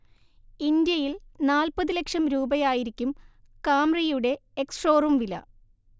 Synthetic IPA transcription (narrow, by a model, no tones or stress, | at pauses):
ind̪jɐjilnaːlpɐðɨlekʂɐmɾuːbɐjaːjiɾikʲːum | kaːmrɐjuɽe̞ːksro̞ːrumʋilɐ̰